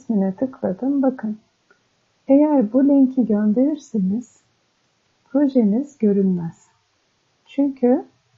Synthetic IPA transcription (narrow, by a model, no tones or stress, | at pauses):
sminɛt̪ʰɯklˠad̪ɯmbakʰɯn | ejæɾbulʲɛɲcʰiɟønd̪eɾiɾseniz̥ | pɾo̞ʒeniz̥ɟø̞ɾynmæz̥ | t͡ʃʰyɲcʰy